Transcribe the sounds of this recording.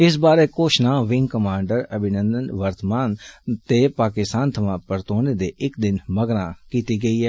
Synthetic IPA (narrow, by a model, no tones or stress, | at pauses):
ɪs̬baːɾeːkoːʃnãːʋɪŋɡkəmãːɳɖəɾəbʱɪnə̃nd̪ənʋəɾt̪əmaːnt̪eːpaːkɪst̪aːnt̪ʰəmãːpəɾt̪oːneːd̪eːʔɪkd̪ɪnməɡɾãːkiːt̪iːɡəiːɛː